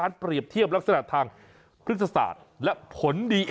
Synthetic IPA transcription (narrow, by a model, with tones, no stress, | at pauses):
aː˦˥npɾi˨˩əp̚t̪ʰi˥˩əp̚la˦˥k̚sa˧na˨˩ʔt̪ʰaː˧ŋ | pʰɾɯ˥t̪̚ːʰa˧sa̰ː˨˩t̪̚lɛ˦˥pʰo˩˦ndiː˧ʔ